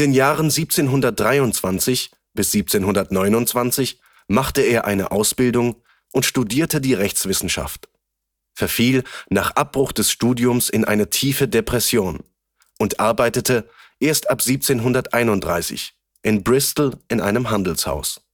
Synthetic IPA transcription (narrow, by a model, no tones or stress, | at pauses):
ʔɪndeːnjaːʁənziːp̚t͡seːnɦʊndɐt̚d̥ʁaɪʊntt͡sv̥ant͡sɪç | b̥ɪsz̥iːp̚t͡seːnɦʊndɐtnɔʏnʊntt͡sv̥ant͡sɪç | maχtəeːɐʔaɪnə̰ʔaʊsb̥ɪldʊŋ | ʔʊntʃtudiːɐtədiːʁɛçt͡sv̥ɪsn̩ʃa̰ft | fɛɐfiːlnaːχʔap̚b̥ʁʊχd̥ɛsʃtuːdiʊmsɪnʔa̰ɪnətʰiːfədepʁ̥ɛsjoːn | ʔʊntʔaɐbaɪtətə | ʔeːɐstʔapz̥iːp̚t͡seːnɦʊndɐtʔaɪnʊntdʁa̰ɪsɪ̰ç | ʔɪnbʁɪstl̩ʔɪnʔa̰ɪnəmɦandl̩sha̰ʊs